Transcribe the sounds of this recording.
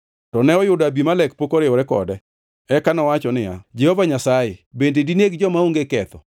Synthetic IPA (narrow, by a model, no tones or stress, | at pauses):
tɔnɛɔjʊdabimalɛk̚pokoɾɪɔɾɛkɔ̰dɛ | ɛkanɔwat͡ʃɔnɪja̰d͡ʒɛhovaɲasajebendedineɡd͡ʒɔmaoŋɡekɛt̪ɔ̰